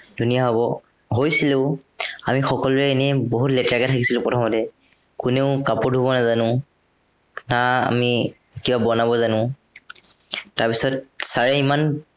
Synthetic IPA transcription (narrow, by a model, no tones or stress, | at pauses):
dʱunijaɦɔbɔ | ɦojsileʊamixɔkɔlʊɛːnɛboɦutlɛtakɛtʰakisilʊ̃pɹɔtʰɔmɔtɛ | kʊneʊkapɔdʱubɔnazanʊ̃ | naa̰mi | kibabɔnabɔzanʊ̃ | taɹpisɔt̚saɹɛiman